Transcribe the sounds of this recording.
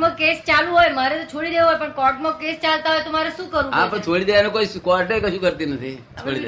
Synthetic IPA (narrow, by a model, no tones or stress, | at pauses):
mãkest͡ʃalũɦojmaɾet̪ot͡ʃʰoɭid̪eʋuɦojpəɳkɔʈmãkest͡ʃalt̪aɦojt̪omaɾeʃũkəɾũɦaãpə̃t͡ʃʰoɭid̪eʋanekoikɔɾʈekəʃũkəɾt̪inət̪ʰi | t͡ʃʰoid̪e